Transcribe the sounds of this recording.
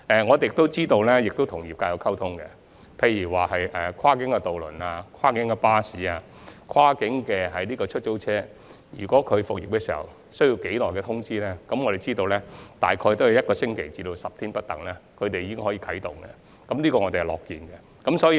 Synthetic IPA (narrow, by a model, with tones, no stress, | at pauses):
ɛː˨ŋɔː˨˧te˨jɪ˨k̚t̪o˥wt͡siː˥t̪o˧wlɛ˥jɪ˨k̚t̪o˥wt̪ʰʊ˨˩ŋjiː˨p̚kaː˧jɐ˨˧wkʰɐ˥wt̪ʰʊ˥ŋkɛ̰˧ | pʰe˧jyː˨˩waː˨hɐ˨jʔɛː˨˩kʷʰwaː˥kɪ˨˥ŋkɛ˧t̪o˨wlɵ̰˨˩naː˧kʰaː˥kɪ˨˥ŋkɛ˧paː˥siː˨˥aː˧ | kʰwaː˥kɪ˨˥ŋkɛː˧ɦɐ˨jniː˥kɔː˧t͡ʃʰɵ˥t̚t͡ʃo˥wt͡sʰɛː˥ | jyː˨˩kʷɔː˨˥kʰɵ˨˧ɥfʊ˨k̚jɪ̰˨p̚kɛː˧siː˨˩hɐ̰˨w | sɵ˥jiː˧wke˨˥jlɔː˨˩jkɛ˧t̪ʰʊ˥ŋt͡siː˥lɛː˥kɐ˨˥mŋɔ˨˧ɾe˨jt͡siː˥t̪o˧wlɛ˥t̪a̰ː˨jkʰɔː˧jt̪o˥whɐ˨jɐ˥t̚kɔː˧sɪ˥ŋkʰe˨˩jt͡siː˧lo˧wsɐ˨p̚t̪ʰiː˥npɐ˥t̚t̪ɐ˨ŋlɛː˦˥kʰɵ˨˧ɥt̪e˨jiː˨˧kɪ˥ŋɦɔ˨˧˥jiː˧kʰɐ˨˥jt̪ʊ˨ŋkɛ̰˧ | kɐ˨˦mliː˥kɔː˧ŋɔ˨˧t̪e˨˩hɐ˨˩lɔ̰ː˨kːiː˨nkɛ˧ | kɐ˨˥msɔː˨˥ji˧